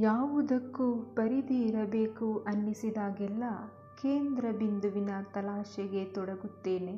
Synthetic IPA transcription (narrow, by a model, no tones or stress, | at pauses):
jaːʋud̪ɐkːupɐɾid̪iːɾɐbe̞ːkuʔɐnːisid̪aːɡɛlːɐ | ke̞ːnd̪ɾɐbind̪uʋinɐt̪ɐlaːʃɛɡe̞t̪ɔɽɐɡut̪ːe̞ːne